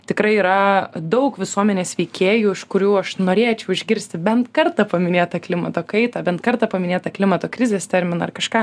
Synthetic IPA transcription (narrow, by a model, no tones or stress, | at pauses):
t̪ʲɪkɾɐɪiːɾɐd̪ɐʊkʋʲɪsuɔmʲɛnʲeːsʋʲɛɪkʲeːjuːɪʃkʊɾʲuːɐʃnoːɾʲeːt͡ʃʲɛʊɪʒʲɡʲɪɾʲsʲt̪ʲɪbʲɛnt̪kɐrt̪ɐpɐmʲɪnʲeːt̪ɐklʲɪmɐt̪oːkɐɪt̪ɐːbʲɛnt̪̚kɐrt̪ɐːpɐmʲɪnʲeːt̪ɐklʲɪmɐt̪oːkɾʲɪzʲeːst̪ʲɛɾʲmʲɪnɐːɐrkɐʃkɑː